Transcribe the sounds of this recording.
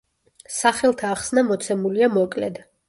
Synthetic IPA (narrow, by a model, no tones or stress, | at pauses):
saχɛlˠt̪ʰaːχsnamɔt̪sʰɛmuliamɔkʼlɛ̰d̪